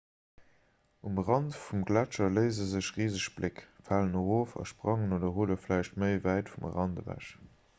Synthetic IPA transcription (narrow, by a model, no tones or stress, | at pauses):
umʁɑntfumɡlæt͡ʃɐləɪzəzəʃʁiːzəʃb̥lɪkfaːlənoʁoːfɑ̰ʃpʁɑŋənoːdɐɦuːlɐflæɪʃtməɪvæɪtfumʁɑndə̰væ̰ʃ